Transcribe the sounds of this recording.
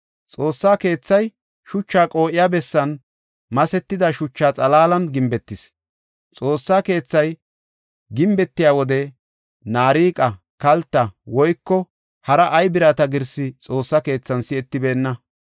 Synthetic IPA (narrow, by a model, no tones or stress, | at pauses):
t͡sʼo̞ːsːaːke̞ːt͡sːɐj | ʃʊt͡ʃːaːkʼo̞ːʔɪjaːbɛsːɐn | mɐsɛt̪ːɪd̪ɐʃʊt͡ʃːaːt͡sʼɐlaːlɐnɡɪmbɛt̪ːɪs | t͡sʼo̞ːsːaːke̞ːt͡sːɐj | ɡɪmbɛt̪ːɪjaːwɔd̪ɛ | naːɾiːkʼɐ | kɐlt̪ːɐwɔjkːɔ | hɐɾɐʔɐjbɪɾaːt̪ɐɡɪɾsɪt͡sʼo̞ːsːɐke̞ːt͡sːɐnsɪɛt̪ːɪbe̞ːnːɐ